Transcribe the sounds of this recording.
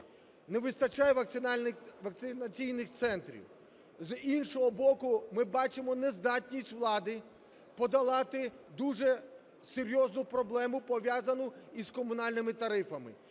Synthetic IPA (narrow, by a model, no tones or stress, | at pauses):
neʋɪst̪ɐt͡ʃajɛʋɐ | ʋɐk̚t̪sɪnɐt͡sʲijnɪxt̪sɛnt̪ɾʲḭw | zinʃɔɦɔbɔkʊmɪbɑt͡ʃɪmɔnezd̪ɑtʲnʲisʲtʲʋlˠɑd̪ɪ | pɔd̪ɐlˠɑt̪ɪd̪uʒɛ | seɾʲjɔznʊpɾɔblˠɛmʊpɔʋʲjazɐnʊiz̥kɔmʊnɑlʲnɪmɪt̪ɐɾɪfɐmɪ̰